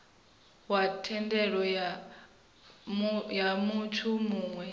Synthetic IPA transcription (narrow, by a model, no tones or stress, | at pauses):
watʰɛndɛɺɔa | jamutʰumuːŋwɛ